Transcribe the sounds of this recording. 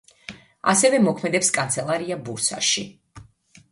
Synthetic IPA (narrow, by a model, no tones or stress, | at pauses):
a̰sɛvɛmɔkʰmɛd̪ɛpskʼant̪sʰɛlˠaɾiabuɾsa̰ʃi